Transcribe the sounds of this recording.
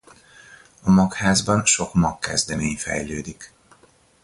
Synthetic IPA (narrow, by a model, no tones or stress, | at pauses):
ɒmɒkhaːzbɒnʃo̞kmɒkːɛzd̪ɛmeːɲfɛ̰jløːd̪ik